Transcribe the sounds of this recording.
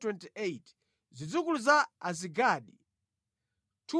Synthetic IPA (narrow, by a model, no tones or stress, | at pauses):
twɛntiejt | zid͡zukuluzaaziɡaːɗḭ | tʰu